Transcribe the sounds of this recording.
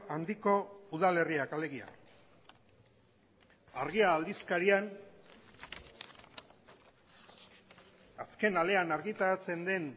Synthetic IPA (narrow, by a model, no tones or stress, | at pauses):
and̪iko̞uðale̞riakale̞ɣia̰ | aɾɣ̞iaːld̪iskaɾian | aske̞nale̞anaɾɣit̪aɾat͡se̞nd̪e̞n